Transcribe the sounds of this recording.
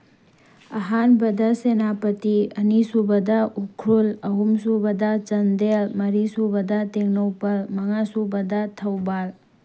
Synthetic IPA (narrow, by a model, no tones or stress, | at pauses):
ɐɦanbɐd̪ʱasenapət̪iɐnisubɐd̪aʔukʰɾulɐɦumsubɐd̪at͡ʃɐnd̪elmɐɾisubəd̪at̪eŋnowpɐlmɐŋasubɐd̪at̪ʰɐwbal